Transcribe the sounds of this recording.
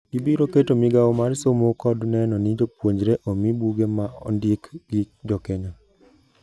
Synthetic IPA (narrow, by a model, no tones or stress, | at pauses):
ɡibiɾoketomiɡawɔmaɾsomokɔdnɛnɔnid͡ʒopwoɲd͡ʒɾeʔɔmibuɡemaɔ̰ndikɡ̥ɪ | d͡ʒɔkɛɲɔ